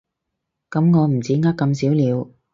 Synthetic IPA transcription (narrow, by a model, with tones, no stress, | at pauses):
kɐ˨˦˥mŋɔː˨˧m̩˨˩t͡siː˨˥ŋa˥kːɐ˧msiː˨˥wliː˨˧w